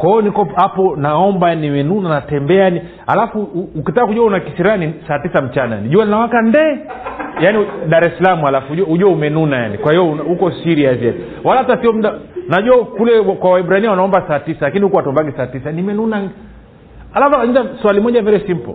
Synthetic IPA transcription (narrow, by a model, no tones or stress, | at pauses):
kwaɔnikɔhapɔnaɔmbajannimɛnunanatɛmbɛajani | alafuːkitakːakuʄuaunakisiɾanisaːtisam̩t͡ʃanaja̰niʄualinawakandɛ | janiɗaɾɛsalamualafuuʄuahuʄuaumɛnunaja̰nikwahijɔnhukɔsiɾiasiani | walahatasiɔm̩ɗanaʄuakulɛwakwawaiɓuɾainiwanaɔmbasaːtisalakinihukɔwatɔmbaɡisaːtisanimɛnuna | alafnzaswalimɔʄavɛɾɛsim̩pɔ̰